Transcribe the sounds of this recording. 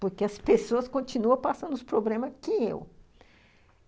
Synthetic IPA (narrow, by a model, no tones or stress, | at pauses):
poɾkeɐspesoɐskõt͡ʃinuɐ̃pasɐ̃nd̪ʊspɾoblẽmɐkɪḛw